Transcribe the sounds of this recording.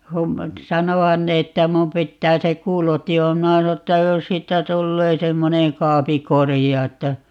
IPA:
kum sɑnohɑn ne etːæ mum pitːæː se kuːloti o minæ sɑno etːæ jos siːtːæ tulːeː semːoneŋ kɑːpi korijɑ etːæ

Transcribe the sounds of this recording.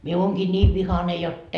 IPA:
mie oːŋɡ̊iː nʲiːʋ ʋihɑne jotː

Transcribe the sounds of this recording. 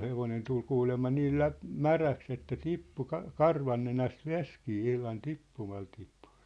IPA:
heʋonen tul kuːlemːɑ niːl læp mæræks etːæ tipːu kɑ kɑrʋɑnːenæst ʋeskiː ihlɑn tipːumɑl tipːu̥

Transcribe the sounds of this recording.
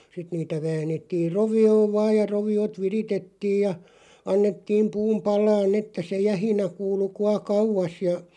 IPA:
sit niːtæ ʋæːnˑetːir roʋioːʋ ʋɑːj jɑ roʋiot ʋiritetːiːj jɑ ɑnːetːiːm puːm pɑlˑɑːnː etːæ se jæhinæ kuːlu kuɑ kɑuʋˑɑs jɑ

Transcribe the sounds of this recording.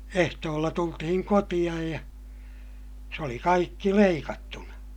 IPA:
ehtoːlːɑ tultihiŋ kotij̆ɑj jɑ se oli kɑikːi leikɑtːunɑ

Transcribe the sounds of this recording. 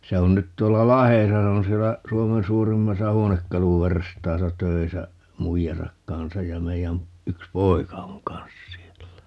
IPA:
se on nyt tuolːɑ lɑhesɑ se on sielːæ suomen suːrimːɑsɑ huonekːɑluʋerstɑːsɑ tøisæ muijɑsɑk kɑnsɑj jɑ meijæn yks poikɑ oŋ kɑnsɑs̆ sielːæ

